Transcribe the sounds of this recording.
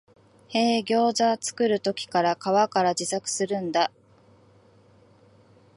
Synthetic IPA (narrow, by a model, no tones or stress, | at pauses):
he̞ːɡʲo̞ːʑat͡sɨ̥kɯ̟ɾɯ̟t̪o̞kʲi̥kaɾakaβakaɾad͡ʑisakɯ̟̥sɨɾɯ̟̃nd̪a